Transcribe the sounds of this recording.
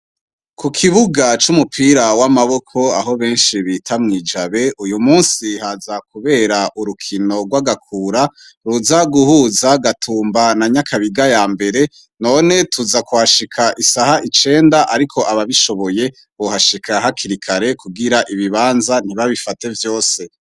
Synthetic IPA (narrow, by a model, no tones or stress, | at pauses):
kukʰiβuɡat͡ʃumupʰiːɾawamaβo̞kʰo̞aɦo̞βe̞ːnʃiβiːtʰamŋiːd͡ʒaβe̞ujumuːnsihazakuβe̞ːɾaʔuɾukʰino̞ɡwaɡakʰuːɾa | ɾuzaɡuhuzaɡatʰuːmbanaɲakʰaβiɡajaːmbe̞ɾe̞ | no̞ːne̞tʰuzakuhaʃikʰaʔisahaʔit͡ʃe̞ːndaʔaɾikʰo̞aβaβiʃo̞βo̞je̞ | βohaʃikʰaɦakʰiɾikʰaɾe̞kuɡiɾaʔiβiβaːnzan̥hiβaβifate̞vjo̞ːse